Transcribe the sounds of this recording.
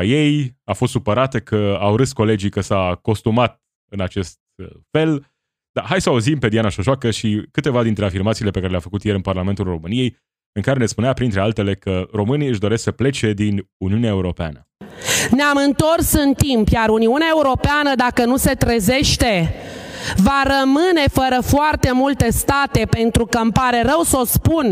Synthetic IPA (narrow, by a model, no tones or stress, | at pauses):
je̞jafost̪supəɾat̪ekʰəawɾɨsko̞le̞d͡ʒikəsako̞st̪umat̪̚ | ɨnat͡ʃe̞st̪̚fe̞l | d̪̥aɦajsəauzimpe̞d̪ianaʃoʃoakəʃikɨt̪e̞vad̪int̪ɾeafirmat̪siːlepe̞kaɾelʲeafəkut̪je̞ɾɨnparlame̞nt̪ulro̞mɨnije̞j | ɨŋkaɾe̞ne̞spuneapɾint̪ɾe̞alt̪e̞le̞kəro̞mɨniɨʃd̪o̞ɾe̞sksəple̞t͡ʃe̞d̪inuniuneaeuɾo̞pea̰nə | neamɨnt̪o̞rsɨnt̪impjaɾuniuneaeuɾo̞peanəd̪akənuse̞t̪ɾeze̞ʃt̪e̞ | vaɾəmɨne̞fəɾəfoart̪e̞mult̪e̞st̪at̪e̞pe̞nt̪ɾukəmpaɾe̞ɾəwsospun